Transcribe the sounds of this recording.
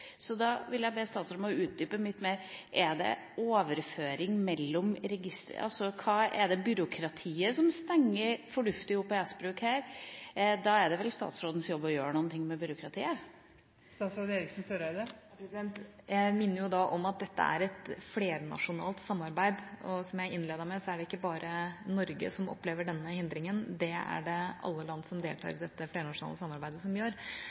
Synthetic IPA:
sɔd̪ɑʋɪljæɪbeːst̪ɑːt̪sɔɾmɔʉːt̪̚d̪yːpəmɪt̪ːmeːɾʔɛɖ̪ɛ̰ | oːʋəɾføːɾɪŋmɛlːɔmɾɛɡɪst̪ə̰ɑ̰lsɔkʰɑːɛɖ̪ɛbʏɾʊkʰɾɑt̪ʰiːəsɔmst̪ɛŋːəɾfɔɳʉft̪ɪʊpːɔæsbɾʉːkhæːɾ | d̪ɑɛɖ̪ɛʋɛlst̪ɑ̰ːt̪sɾoːd̪n̩sjɔbːɔjøːɾəɳuːənt̪ɪŋːmɛbʏɾʊkʰɾɑt̪ʰḭːə | st̪ɑsɔd̪eːɾɪksnsøɾəd̪ə | pɾɛsɪd̪ɛnt̪jæɪmɪnːəɾjʊd̪ɑʔɔmɑt̪̚d̪ɛt̪ːə̰æ̰ɾɛt̪fleːɾnɑ̰ʂʊnɑ̰ːlt̪sɑmːɑɾbæɪd̪ɔsɔmjæɪʔɪnːleːd̪əɾmæɪsɔæɖɛɪkːəbɑːɾənɔɾɡə̰sɔmɔ̰pːleːʋəɖɛnːəhɪnd̪ɾɪŋənd̪ɛæ̰ɖɛʔɑ̰lːəlɑnd̪sɔmd̪ḛːlt̪ʰɑ̰ːɾɪd̪ɛt̪ːəfleːɾənɑʂʊnɑ̰ːləsɑmːɑɾbæɪd̪əsɔmjøːɾ

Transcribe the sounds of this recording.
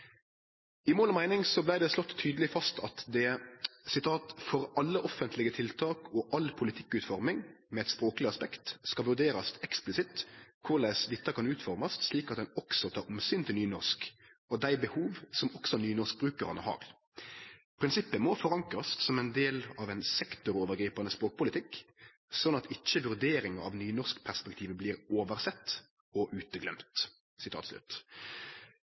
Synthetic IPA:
ɪmoːlɔmæɪnɪŋsɔblæɪd̪ɛslɔt̪ʰːyːd̪əlɪfɑst̪ɑt̪d̪ɛsɪt̪ʰɑːt̪fɔɾɑlːəʔɔfənt̪ʰlɪɡət̪ʰɪlt̪ʰɑːkɔʔɑlpʰʊlɪt̪ʰɪ̥kːʉːt̪fɔɾmɪŋ | mɛɛt̪spɾoːklɪɑspɛkt̪skɑlʋʉɖ̪eːɾɑst̪ɛksplɪsɪt̪kʰʊɾlæɪsd̪ɪt̪ːəkɑnʉːt̪fɔɾmɑst̪sliːkɑt̪̚d̪ɛnɔksɔt̪ʰɑːɾɔmsyːnt̪ʰɪlyːnɔʁʂkɔd̪æɪbəhuːʋsɔmɔksɔnyːnɔʂk̚bɾʉːkəɾɑnəhɑ̰ːɾ | pʰɾɪnsɪpːəmɔfɔɾɑŋkɾɑst̪sɔmɛnd̪eːlɑʋɛɪnsɛkt̪ʊɾoːʋəɾɡɾiːpɑnəspɾoːk̚pʰʊlɪt̪ʰɪkː | sɔnɑt̪ɪt͡ʃːəʋʉɾd̪eːɾɪŋəɾɑ̰ʋnyːnɔʁʂkpʰæʁspɛk̚t̪ʰiːʋəbliːɾoːʋəɾsɛt̪ː | ɔʔʉːt̪əɡlɛmt̪ | sɪt̪ʰɑ̰ːt̪slʉ̰ːt̪

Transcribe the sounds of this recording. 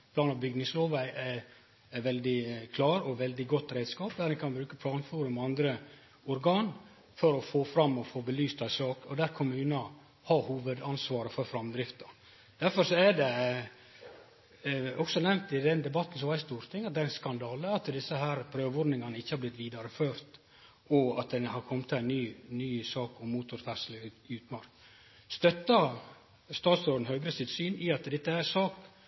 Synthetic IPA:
pʰlɑːnɑʋbʏɡnɪŋsloːʋæɪʔæ | æʋɛld̪ɪkʰlɑːɾɔʋɛld̪ɪɡɔt̪ːɾɛɪd̪skɑːpd̪æːɾɛnkʰɑnbɾʉːkəpʰlɑːnfuːɾʉmɑnd̪ɾə | ɔɾɡɑːn | fɔɾɔfoːfɾɑmːɔfoːbəlyːst̪ʰæɪsɑːkɔd̪æɾkʰʊmʉːnɑ | hɑhuːʋəd̪ɑnsʋɑːɾəfɔɾfɾɑmd̪ɾɪft̪ɑ | d̪̥æɾfɔɾsɔæɖɛ | ɔksɔnɛmt̪ɪd̪ɛnd̪ɛbɑt̪ːn̩sɔʋɑɾɪst̪uːɾt̪ʰɪŋːɑt̪̚d̪æɾɛnskɑnd̪ɑːləɑt̪d̪ɪsːəɦæːɾpʰɾøːʋɔɖ̪nɪŋɑnəɪçːəhɑɾblɪt̪ʋiːd̪ɑɾəføːɾt̪ | ɔɑt̪̚d̪ɛnhɑɾkʰɔmt̪ʰːɪlæɪnyːnyːsɑːkɔmːuːt̪ʊɾfæʂələʉːt̪mɑɾk | st̪œt̪ːɑ | st̪ɑːt̪soːd̪ən̩hœːɡɾəsɪt̪syːnɪɑt̪d̪ɛt̪ːəæɾsɑːk

